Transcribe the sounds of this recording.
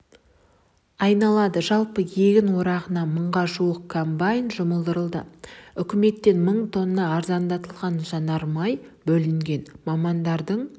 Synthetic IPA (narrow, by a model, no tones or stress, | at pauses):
ɑjnɑlˠɑd̪əʒɑlˠpəje̞ɡʲɪnwo̞ɾɑʁənɑməɴʁɑʒuwəq̚kʰombajnʒʊməlˠd̪əɾəlˠd̪ə̰ʏkʲɪme̞t̪ːe̞nməɴt̪ʰo̞nnːɑːɾzɑnd̪ɑt̪əlˠʁɑnʒɑnɑɾmɑjbɵlɪŋɡʲe̞nmɑmɑnd̪ɑɾd̪əɴ